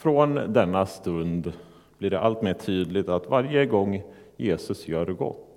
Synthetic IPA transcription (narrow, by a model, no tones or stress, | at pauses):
fɾɔnd̪ɛnːast̪ɵnd̪ | b̥lɪɖɛʔalt̪meːʈʰyːd̪lɪɡt̪at̪vaɾjəɡɔŋː | jeːsɵsjœːɾɡɔ̰t̪ː